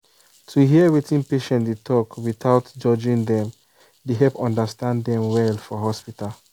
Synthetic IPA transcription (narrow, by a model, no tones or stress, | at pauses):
tʰuɦiəwitĩnpeʃɛ̃ntdetʰɔkwiθaʊtd͡ʒɔd͡ʒĩŋdɛ̃m | deɦɛpɔ̃ndastãnddɛ̃mwɛlfɔɦɔspital